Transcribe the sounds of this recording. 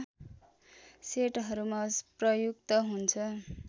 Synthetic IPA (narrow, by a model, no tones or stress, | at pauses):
seʈɦʌɾumasprʌjukt̪ʌɦunt͡sʰʌ